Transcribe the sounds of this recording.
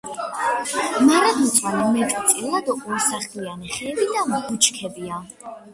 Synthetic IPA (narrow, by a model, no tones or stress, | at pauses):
maɾad̪mut̪sʼwanɔmɛt͡ʃʼɔt̪sʼilad̪ɔʔʼɔɾsaχlianiχɛːbid̪amɔkut͡ʃʰkʰɛbia